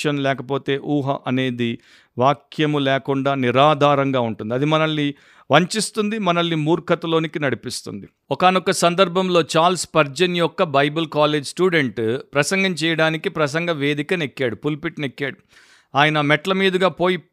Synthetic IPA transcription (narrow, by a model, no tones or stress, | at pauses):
ɐnlɛːkɐpo̞ːt̪e̞ːʔuːɦɐ̰ʔɐne̞ːd̪i | ʋaːkʰjɐmulɛːkuɳɖaːniɾaːd̪ʱaːɾɐŋɡaːuɳʈund̪iɐd̪imɐnɐlːi | ʋɐɲt͡ʃist̪und̪imɐnɐlːimuːɾkʰɐt̪ɐlo̞ːnikinɐɽipist̪ṵnd̪i | ɔkaːnɔkɐsɐnd̪ɐɾbʱɐmlo̞ːt͡ʃaːlspɐɾd͡ʒɐnjɔkːɐbɐjbɐlkaːle̞ːd͡ʒsʈuːɖeɳʈpɾɐsɐŋɡɐmt͡ʃɛːjɐɽaːnikipɾɐs̬ɐŋɡɐʋe̞ːd̪ikɐnekːaːɽupulpiʈnekːaːɽu | aːjɐnɐmɛʈlɐmiːd̪ɐɡaːpo̞ːji